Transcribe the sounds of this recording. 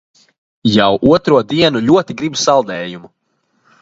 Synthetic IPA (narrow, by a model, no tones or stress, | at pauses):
jawʔuɔt̪ɾuɔd̪iɛnuʎʲuɔt̪iɡɾibsalˠd̪ɛːjumu